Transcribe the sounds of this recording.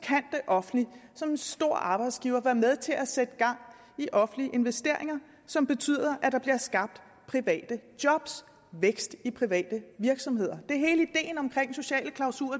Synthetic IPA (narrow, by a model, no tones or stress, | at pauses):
kʰæn̰d̥eʔɒ̽fn̩lisɒ̽me̝nsd̥o̝ɐ̰ɑ̈ːb̥ɑ̈ɪd̥sɡ̥iːʊɐʋæɐmeðˠt͡sʰe̝lʔæsed̥əɡ̥ɑ̈ŋ̰ | iʔɒ̽fn̩liəʔe̝nʋesd̥e̝ɐ̰e̝ŋɐ | sɒ̽mb̥e̝t͡sʰy̰ːðˠɐʔæd̥ɑ̈b̥liɐsɡ̥ɑ̈b̥̚d̥ | pʰʁiʋɛ̰ːd̥əd̥jɒ̽b̥s | ʋeɡ̥sd̥ipʰʁiʋɛ̰ːd̥əʋiɐɡ̥sɒ̽mhe̝ð̞̰ˠɐd̥e̝æɐɦe̝ːləid̥e̝̰ːnɒ̽mkʰʁeŋ̰so̝ɕɛ̰ːləkʰlɑ̈ʊsṵːɐ